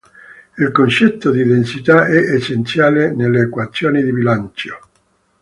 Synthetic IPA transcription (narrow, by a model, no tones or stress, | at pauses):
ilkont͡ʃɛt̪ːod̪id̪ensit̪aɛʔesent̪sjaːleneleːkwat̪sːjoːnid̪ibilant͡ʃo̥